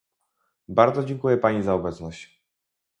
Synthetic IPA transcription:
baɾd̪zɔd͡ʑɛŋkujɛpaɲizaɔbɛt̪snɔɕt͡ɕ

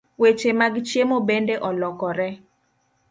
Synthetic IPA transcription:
wet͡ʃemaɡit͡ʃjemobendeʔɔlɔkɔɾɛ

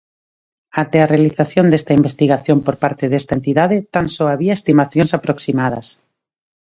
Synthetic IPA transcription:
at̪earealiθaθjond̪est̪aimbest̪iɣaθjompoɾpaɾt̪eðest̪aent̪iðaðɪt̪ansoaβiaest̪imaθjõnsapɾoksimað̞ɐs

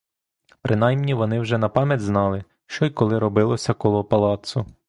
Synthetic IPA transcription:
pɾʔɪnɑjmnʲiʋɔnɪwʒɛnɐpɑmʲjɐtʲznɑlˠɪ | ʃt͡ʃɔjkɔlˠɪɾɔbɪlˠɔsʲɐkɔlˠɔpɐlˠɑt̪sʊ

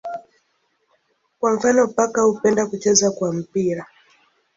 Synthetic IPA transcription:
kwaɱ̩fanɔpakahupɛndakut͡ʃɛzakwam̩piɾa

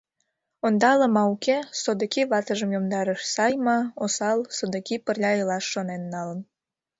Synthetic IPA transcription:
ond̪ɑlə̆mɑukesod̪ə̆kiβɑt̪əʒəmjomd̪ɑɾəʃsɑjmɑosɑlsod̪ə̆kipərlʲɑelɑʃːonenːɑlən

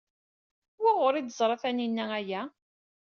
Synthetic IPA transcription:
wæʁʊɾid̪əzˤɾˤɑθæninːææjæ

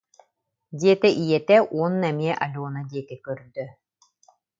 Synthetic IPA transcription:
d̪iɛt̪ɛʔijɛt̪ɛʔuɔnːɛmiɛʔɐlʲuːnad̪iɛt̪ɛkœɾd̪œ

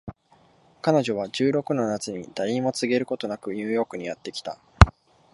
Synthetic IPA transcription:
kano̞ʑo̞β̞aʑɨːɾo̞kɯ̟no̞nat͡sɨɲ̟id̪̥aĩmo̞t͡sɨɡe̞ɾɯ̟ko̞t̪o̞nakɯ̟ɲ̟ɯːjo̞ːkɯ̟ɲ̟ijat̪ːe̞kʲi̥t̪a̰

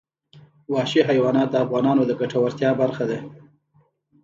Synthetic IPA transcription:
wɑʃiɦajwɑnɑt̪̚d̪əafɣɑnɑnod̪əɡaʈawaɾt̪jɑbaɾxad̪a

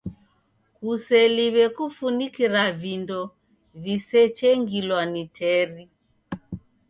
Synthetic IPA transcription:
kusɛliβɛkufunikiɾavindɔ | visɛt͡ʃɛŋɡilwanitʰɛɾi

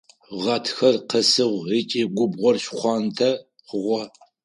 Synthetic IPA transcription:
ʁɐtʰxɐrqɐsɨʁʷit͡ʃʼiːɡʷʊbʁʷɔrɕχʷɑːntʰɐ | χəʁʷɔ

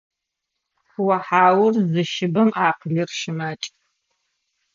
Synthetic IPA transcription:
xwɐħaːwʊrzɨʃɪbɐmaːqəɮɨrʃɪmat͡ʃʼ

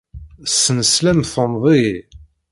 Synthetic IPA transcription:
sːənəslæmθənðˤi

